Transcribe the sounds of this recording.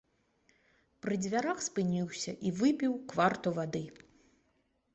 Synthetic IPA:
pɾɨd͡zʲvʲaɾaxspɨnʲiwsʲɐʔivɨpʲiwkvart̪uvad̪ɨ

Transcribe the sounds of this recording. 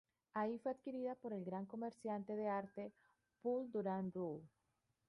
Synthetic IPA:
aifwe̞að̥kiɾiðapo̞ɾe̞lɡɾaŋko̞meɾsjant̪e̞ðeaɾt̪e̞ | puld̪uɾanu

